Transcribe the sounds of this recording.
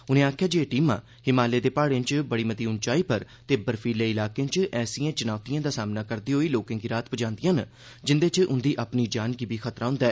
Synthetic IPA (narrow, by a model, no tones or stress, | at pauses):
ʊnẽːaːkʰjaːd͡ʒeeʈiːmã̰ː | hɪmaːleːd̪eːpaːɽẽːnt͡ʃbəɽiːmət̪iːʊnt͡ʃaːiːpəɾ | t̪eːbəɾfʰiːleːɪlaːkẽːt͡ʃʔɛːsiãːt͡ʃənaːʊt̪ijãːd̪aːsaːmnaːkəɾd̪iːɦoːiːloːkãːŋɡiːɾaːt̪pəd͡ʒãːnd̪ɪjãːn | d͡ʒɪnd̪eːt͡ʃʔʊnd̪iːʔaːpniːd͡ʒaːnkiːbiːxʰət̪ɾaːɦʊ̃nd̪aː